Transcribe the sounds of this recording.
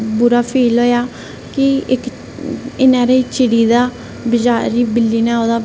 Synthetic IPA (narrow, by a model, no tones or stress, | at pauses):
buɾaːpʰeːlɦoːjaː | kɪɪk | ɪnãːɾeiːt͡ʃɪɽiːd̪aː | bɪd͡ʒaːɾiːbɪlːiːnãːoːd̪aː